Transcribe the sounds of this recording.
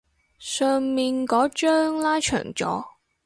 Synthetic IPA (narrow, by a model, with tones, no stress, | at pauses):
sœː˨˧ŋmiː˨nkɔː˨˥t͡ʃœː˥ŋlaː˥jt͡ʃʰœ̰ː˨˩ŋt͡ʃɔ̰ː˨˥